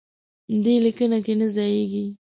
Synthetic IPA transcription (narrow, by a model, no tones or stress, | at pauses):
d̪ilikənakenəzajeɡi